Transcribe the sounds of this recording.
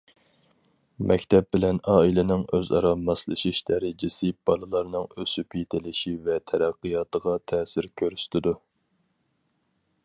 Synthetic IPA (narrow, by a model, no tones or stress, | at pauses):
mʔɛkʲt̪ʰɛp̚bɪlɛnɑːilɪnɪŋøzɑ̰ɾɑmɑslˠɨʃiʃd̪æɾɪd͡ʒɪsɪb̥ɑlˠɨlˠɑɾnɨŋøsypʰit̪ʰɪlɪʃivɛt̪ʰɛɾæqːijɑːt̪əʁɑt̪ʰɛːsɪɾkʲʰøɾyst̪ʰɪd̪u